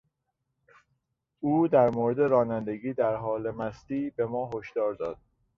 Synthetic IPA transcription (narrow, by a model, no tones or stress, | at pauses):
uːd̪æɾmoɾed̪e̞ɾɒːnænd̪eɡiːd̪æɾɦɒːle̞mæst̪iːbe̞mɒːɦoʃd̪̥ɒːɾd̪ɒːd̪̥